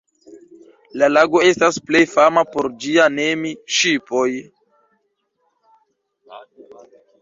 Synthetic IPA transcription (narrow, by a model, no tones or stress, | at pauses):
lalaɡo̞e̞stasple̞jfamapo̞ɾd͡ʒiane̞miʃipo̞j